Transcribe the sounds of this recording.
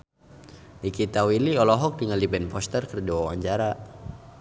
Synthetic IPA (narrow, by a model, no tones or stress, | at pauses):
dikit̪awiliɔlɔɦɔk̚dəŋandibɛnpɔst̪ərkərd͡ʒawawa̰ɲt͡ʃaɾa